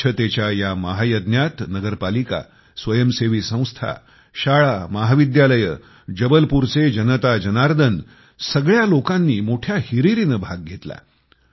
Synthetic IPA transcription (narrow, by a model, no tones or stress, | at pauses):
ət̪et͡ɕjajaməɦajəd̪njat̪nəɡəɾpalika̰ | sʋəjəmseʋiːsə̃w̃st̪ʰa̰ | ɕaɭaməɦaʋid̪jaləjə | d͡ʑəbəlpuɾt͡sed͡ʑənət̪ad͡ʑənaɾd̪ʱən | səɡɭjalokãnːiːmoʈʰjahiɾiɾinəbʱaɡ̚ɡʱet̪la̰